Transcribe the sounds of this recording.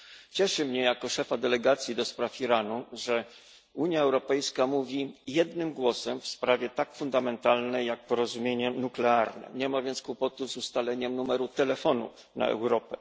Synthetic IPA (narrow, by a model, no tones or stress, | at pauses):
t͡ɕɛʂɘmɲɛjakɔʂɛfad̪ɛlɛɡat̪sʲjid̪ɔspɾafiɾanuʐɛ | uɲjaɛwɾɔpɛjskamuvʲijɛd̪nɘmɡwɔsɛmfspɾavʲjɛt̪akfund̪amɛnt̪alnɛjak̚pɔɾɔzumʲjeɲɛnuklɛaɾnɛ̰ɲɛmavʲjɛnt̪skwupɔt̪uzust̪alɛɲɛmnumɛɾut̪ɛlɛfɔnṵ | na̰ɛ̰wɾɔpɛ